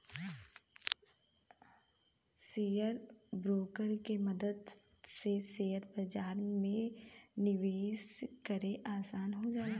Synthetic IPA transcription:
sijəɾbɾoːkəɾkeməd̪əd̪ | seseːəɾbɐd͡ʒaːɾmẽ | nɪʋeːʃkəɾeʔaːsaːnɦod͡ʒaːeɡ

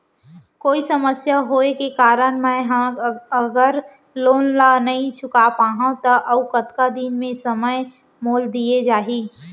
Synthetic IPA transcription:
koːisəməsjaɦoːekekaːɾənmɛ̃ɦãəɡəɾ | loːnlanɐɦĩt͡ʃʰʊkapaːɦãt̪əʔɐʊkət̪kad̪inmẽsəməj | moːld̪ied͡ʒaːɦiː

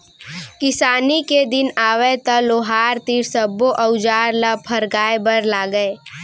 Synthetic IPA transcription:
kɪsaːniked̪ɪnaːʋet̪ɐloːɦaːɾt̪iɾsəboʔəʊd͡ʒaːɾləpʰəɾɡaːebəɾlaːɡəe

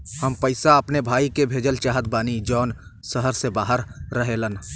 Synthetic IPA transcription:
həmpəɪsaɐpnebʱaːikebʱeːd͡ʒəlt͡ʃaːɦət̪̚baːnid͡ʒɔːnsəɦəɾsebaːɦəɾːəɦelən

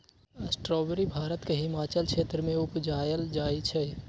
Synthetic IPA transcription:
əsʈɾɔːbəɾibʱaːɾət̪keɦɪmaːt͡ʃəlkʰeːt̪ɾəmẽʊpd͡ʒaːjəld͡ʒaːit͡ʃʰɛ

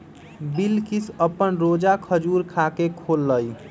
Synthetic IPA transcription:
bilkisəpənɾod͡ʒakʰəd͡ʒuɾkʰakekʰolːəj

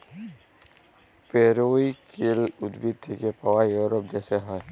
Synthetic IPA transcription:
peːɾoikelʊd̪bit̪ʰːikepawajuɾop̚d͡ʒɛːseɦɔe

